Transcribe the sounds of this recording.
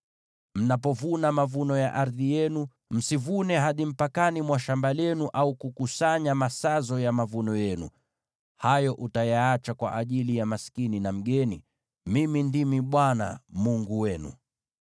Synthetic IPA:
m̩nap̬ɔvunamavunɔja̰ʔaɾðijɛnu | m̩sivunɛɦaɗim̩pakanimwaʃambalɛnuʔaukukusaɲamasazɔjamavunɔjɛnṵ | hajɔʔutajaat͡ʃakwa̰ʔaʄilijamaskininam̩ɠɛnḭ | mimindimiɓwana̰muŋɡuwɛnṵ

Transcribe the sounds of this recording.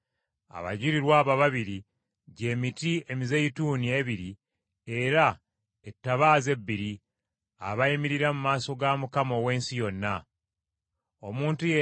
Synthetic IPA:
a̰βa̰ɟiɾiɾwaːβaβaβiɾi | ɟe̞ːmitie̞mizeituːnie̞βiɾi | e̞ɾa | etːaβaːze̞bːiɾi | aβajimiɾiɾamumaːso̞ɡamukamo̞we̞ːnsijo̞nːa | o̞muːntuje

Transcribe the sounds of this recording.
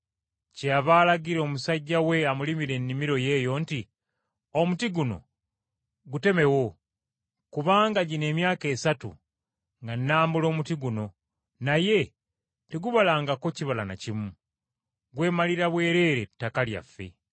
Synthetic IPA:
ceaβaːlaɡiɾeomusaɟːawe̞amulimiɾe̞nːimiɾo̞je̞ːjo̞nti | omutiɡuno̞̰ | ɡute̞me̞wo̞ | kuβaːŋɡaɟine̞ːmjaːke̞ːsatṵ | ŋɡanːaːmbulo̞ːmutiɡuno̞ | naje̞ | teɡuβalaːŋɡako̞ciβalana̰cimu | ɡwe̞ːmaliɾaβwe̞ːɾe̞ːɾetːakalja̰fːe̞̰

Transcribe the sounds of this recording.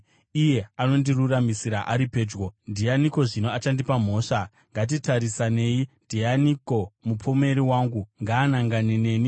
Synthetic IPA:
ije̞ano̞ndiruramisiɾaʔaɾipe̞ːd͡ʒɡondianiko̞ʐino̞at͡ʃandipam̤o̞ːʂa | ŋɡat̬itaɾisane̞indʱianiko̞mupome̞ɾiwaŋɡuŋɡaːnaŋɡanene̞ːni

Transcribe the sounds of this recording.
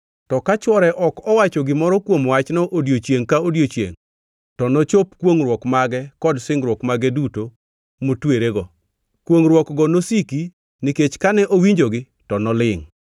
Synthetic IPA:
tɔkat͡ʃwɔɾɛʔɔkɔwat͡ʃɔɡɪmɔɾɔkwomwat͡ʃnɔʔodjot͡ʃjeŋkaodjot͡ʃjḛŋ | tɔnɔt͡ʃopkwoŋɾwɔkmaɡɛkɔdsɪŋɾwɔkmaɡɛduto | motweɾeɡɔ | kwoŋɾwɔkɡɔnosiki | niket͡ʃkanɛʔowiɲd͡ʒoɡɪ | tɔnɔlɪŋ

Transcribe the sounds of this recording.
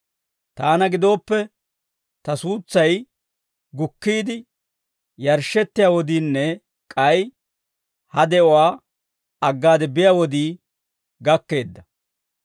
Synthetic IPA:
t̪aːnɐɡɪd̪o̞ːpːɛ | t̪ɐsuːt͡sːɐj | ɡʊkːiːd̪ɪ | jɐɾʃːɛt̪ːɪjaːwɔd̪iːnːɛ | kʼɐj | hɐd̪ɛʔɔwaː | ɐɡːaːd̪ɛbɪjaːwɔd̪iː | ɡɐkːe̞ːd̪ːɐ

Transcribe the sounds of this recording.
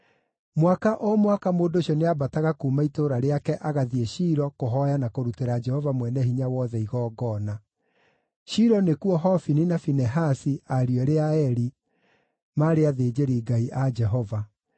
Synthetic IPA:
mwakaʔɔmwakamoːndoɕjɔneabataɣakuːmaitoɾaɾeakɛʔaɣaðieɕiɾɔkoɦɔjanakoɾuteɾad͡ʒɛhɔvamwɛnɛɦiɲawɔðɛiɣɔːɡɔna | ɕiɾɔnekuɔɦɔfininafinɛɦasiaɾiɛɾeaɛɾi | maːɾeaðeːd͡ʑeɾiːɡaiʔad͡ʒɛɦɔva

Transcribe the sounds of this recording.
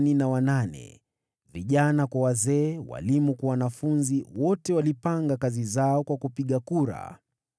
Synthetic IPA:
ninawananɛ̰ | viʄanakwawazɛːwa̰limukwawanafunziwɔtɛwalipaŋɡakazizaɔkwakupiɠakuɾa̰

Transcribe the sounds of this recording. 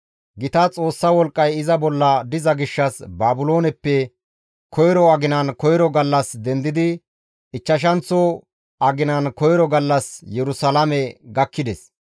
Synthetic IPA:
ɡɪt̪ɐt͡sʼo̞ːsːɐwɔlkʼːɐjɪzɐbɔlːɐd̪ɪzɐɡɪʃːɐsbaːbʊlo̞ːnɛpːɛ | kʰɔjɾɔɐɡɪnɐnkɔjɾɔɡɐlːɐsd̪ɛnd̪ɪd̪ɪ | ɪt͡ʃːɐʃ̬ɐnt͡sːɔ | ɐɡɪnɐnkɔjɾɔɡɐlːɐsjɛɾʊsɐlamɛɡɐkːɪd̪ɛs

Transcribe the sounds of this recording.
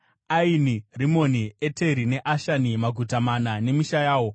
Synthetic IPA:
ainirimo̞niete̞ɾine̞ʔaʃanimaɡʱutamanane̞miʃajaːwo̞

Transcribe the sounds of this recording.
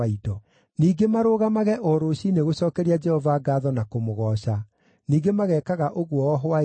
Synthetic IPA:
idɔ | niːɡemaɾoːɣamaɣɛʔɔɾoɕineɣoɕɔːkɛɾiad͡ʒɛhɔvaɡaːðɔnakomoɣɔɕa | niːɡemaɣɛːkaɣaʔoɣwɔɔɦɔa

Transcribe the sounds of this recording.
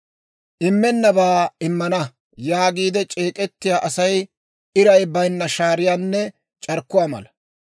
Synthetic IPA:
ʔɪmːɛnːɐbaːɪmːɐnɐ | jaːɡiːd̪ɛt͡ʃʼeːkʼɛt̪ːɪjaːʔɐsɐj | ɪɾɐjbɐjnːɐʃaːɾɪjaːnːɛ | t͡ʃʼɐɾkːʊwaːmɐ̰lɐ

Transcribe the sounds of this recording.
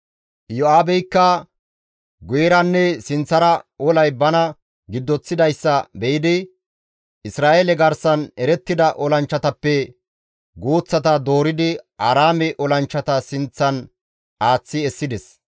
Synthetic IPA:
jɔaːbɛjkːɐ | ɡʊjɛɾɐnːɛsɪnt͡sːɐɾɐɔlɐjbɐnɐ | ɡɪd̪ːɔt͡sːɪd̪ɐjsːɐbɛʔɪd̪ɪ | ɪsɾaːʔelɛɡɐɾsɐnɛɾɛt̪ːɪd̪ɐʔɔlɐnt͡ʃːɐt̪ɐpːɛ | ɡoːt͡sːɐt̪ɐd̪o̞ːɾɪd̪ɪaːɾaːmɛʔɔlɐnt͡ʃːɐt̪ɐsɪnt͡sːɐn | aːt͡sːɪɛsːɪd̪ɛs

